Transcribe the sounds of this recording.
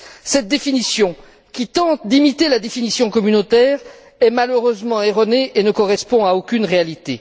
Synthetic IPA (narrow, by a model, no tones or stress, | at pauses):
sɛt̪̚d̪efinisjɔ̃ | kʲit̪ɑ̃t̪d̪imit̪elad̪efinisjɔ̃kɔmynot̪ɛːʁ | ɛmaløʁøzmɑ̃eʁɔneʔenəkɔʁɛspɔ̃aokʲynʁealit̪e